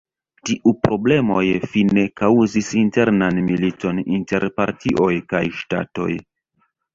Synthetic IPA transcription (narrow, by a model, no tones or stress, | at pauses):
tiʔupɾo̞ble̞mo̞̰jfine̞kawzisinte̞ɾnanmilito̞ninte̞ɾpaɾtʰiʔo̞jkajʃta̰to̞̰j